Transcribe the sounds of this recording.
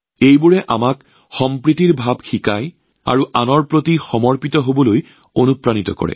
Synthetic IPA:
ejbʊɹɛʔa̰mak | xɔmpɹitiɹbʱab̚xikaj | a̰ɹuʔanɔɹpɹotixɔmɔɹpitɔɦobɔloj | onupɹanitɔ̰kɔ̰ɹɛ̰

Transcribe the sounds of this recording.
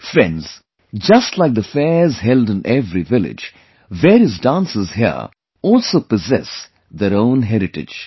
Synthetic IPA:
fɾɛ̰̃nz̥ | d͡ʒʌstlaɪk̚d̪əfɛzɦɛldɨ̃nʔɛvɾivɪlɪ̰d͡ʒ | vɛɾɨzdãnsɪzɦə̰ | ɔːlˠsoːpəzɛ̰s | ðəɾõʊ̃nɦɛɾɪʈɪ̰d͡ʒ

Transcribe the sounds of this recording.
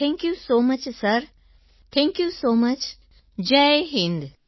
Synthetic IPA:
t̪ʰɛ̃ŋkjusoːmɐt͡ʃsɐɾ | t̪ʰɛ̃ŋkjusoːmɐt͡ʃ | d͡ʒeɦɪ̃nd̪

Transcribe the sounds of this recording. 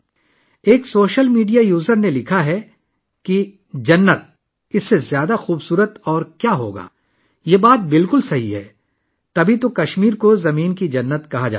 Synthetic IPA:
eːksoːʃəlmiːɖijajuːzəɾnelɪkʰaɦɛ | ki | d͡ʒɐnːət̪̚ | ɪsːezjaːd̪axuːbsuːɾət̪ɔːɾkjaːɦo̰ːɡa̰ː | jeːbaːt̪̚bɪlkʊlsɐɦḭɦɛ̰ː | t̪ɐbʱit̪okɐʃmiːɾkozɐmiːnkid͡ʒɐnːət̪kɐɦad͡ʒa̰ː

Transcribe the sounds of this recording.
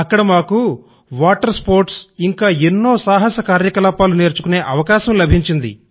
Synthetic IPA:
ɐkːɐɽɐmaːku | ʋaːʈɐɾspoːɾʈsiŋkaːenːo̞ːsaːɦɐsɐkaːɾjɐkɐlaːpaːlune̞ːɾt͡ʃu̥kune̞ːʔɐʋɐkaːʃɐmlɐbʱiɲt͡ʃind̪ḭ

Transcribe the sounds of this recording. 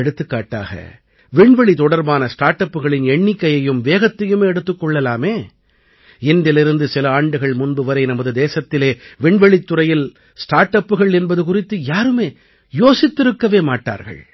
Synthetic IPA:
ɛɽɯt̪ːɯkːaːʈːa̰ːɣɐ̰ | ʋɪɳʋɛɭit̪ɔɽɐɾbaːnɐsʈaːɾʈːɐpːɯɣɐɭɪnɛɳːɪkːɐjɐjɯmʋeːɣɐt̪ːɐjɯmeːɛɽɯt̪ːɯkːɔɭːɐlaːmeː | ɪnd̪ɪlɪɾɯnd̪ɯsɪlɐaːɳɖɯɣɐɭmʊnbɯʋɐɾɐɪnɐmɐðɯd̪eːsɐt̪ːɪleːʋɪɳʋɛɭit̪ːʊrɐjɪl | sʈaːɾʈːɐpːɯɣɐɭɛnbɐðɯk̬ʊrɪt̪ːɯjaːɾɯmeː | joːsɪt̪ːɪɾɯkːɐʋeːmaːʈːa̰ːɾɣɐ̰ɭ

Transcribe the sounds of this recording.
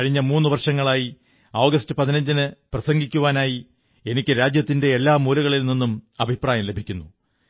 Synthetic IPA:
kɐɻiɲːɐmuːnːuʋɐrʂɐŋːɐɭaːji | oːɡɐstɨpɐðinɐɲd͡ʑinɨprɐsɐŋɡikʲːuʋaːnaːji | e̞nikʲːɨɾaːd͡ʑjɐt̪ːinde̞ːlːaːmuːlɐɣɐɭilninːumɐbʱipraːjɐmle̞bʱikʲːunːu

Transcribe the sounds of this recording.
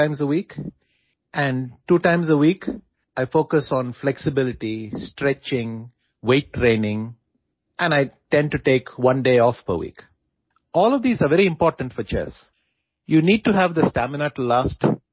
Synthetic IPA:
ãɪ̃mzəwiːk | ʔæ̃ɳɖʈuːʈãɪ̃mzəwiːk | ʔaɪfoːkəsɔ̃nflɛksɪbɪlɪʈisʈɾɛt͡ʃɪ̃ŋ | weːʈːɾẽːnɪ̃ŋ | ʔɛ̃naɪʈɛ̃ɳɖ̚ʈuʈeːkʋʌ̃nɖeːɔːfpə̰ɾwḭːk | ɔːlɔʋd̪iːzaɾʋɛɾiɪ̃mpɔːɾʈə̃ɳʈfɔɾt͡ʃɛ̰s | juːniːɖ̚ʈuɦæʋd̪əsʈæmɪnaʈlaːsʈ

